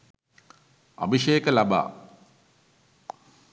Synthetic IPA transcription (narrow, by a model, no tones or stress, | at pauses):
a̰ʋiʃejəkəlaba̰ː